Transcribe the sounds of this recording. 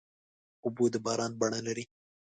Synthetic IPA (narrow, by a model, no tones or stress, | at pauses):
ʊbod̪əbɑɾɑnbaɳalaɾi